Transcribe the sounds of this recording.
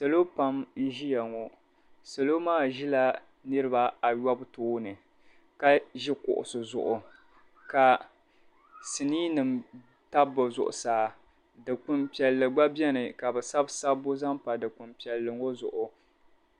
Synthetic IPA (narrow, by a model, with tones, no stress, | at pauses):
sa˨lo˦pa˦mn̩˦ʒi˦ja˨ŋɔ˨ | sa˨lo˦maː˦˨ʒi˦la˦ | nɨ˦ɾɨ˦ba˦a˨ja˦btoː˦nɨ˨ | ka˦ʒi˦kʊ̰˨ʔʊ̰˨sɨ˨zʊ̰˨ʔʊ˨ | ka˨ | sɨ˨niː˦nɨ˨m | ta˦bɨ˨zʊ̰˨ʔʊ̰˨saː˨ | dɨ˨k͡pʊ˦mpi˨ɛ˨lːɨ˨ɡ͡ba˦bɛ˦nɨ˨ka˨bɛ˨sa˦bsa˦bo˦za˦mpa˨dɨ˨k͡pʊ˨mpi˨ɛ˨lːɨ˨ŋo˦zʊ̰˨ʔʊ˨